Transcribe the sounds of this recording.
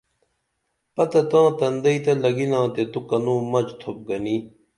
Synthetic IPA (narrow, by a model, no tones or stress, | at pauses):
pɐt̪ɐt̪ãːt̪ɐnd̪ɐit̪ɐlɐɡinãːt̪et̪ukɐnũːmɐd͡ʑt̪ʰop̚ɡɐniː